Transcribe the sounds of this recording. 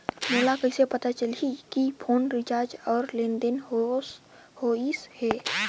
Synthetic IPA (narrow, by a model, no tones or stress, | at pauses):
moːlakəɪsepɐt̪at͡ʃəlikipʰoːnɾɪd͡ʒaːɾd͡ʒɔːɾlẽnd̪ən | hoːishɛː